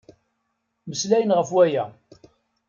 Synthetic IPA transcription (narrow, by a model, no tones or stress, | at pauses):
məslæjənʁəfwæjæ